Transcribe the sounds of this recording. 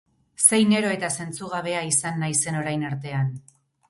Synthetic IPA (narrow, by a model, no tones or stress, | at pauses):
se̞jne̞ɾo̞e̞t̪ase̞nt͡suɣ̞aβ̞e̞aisanːajse̞no̞ɾajnaɾt̪e̞an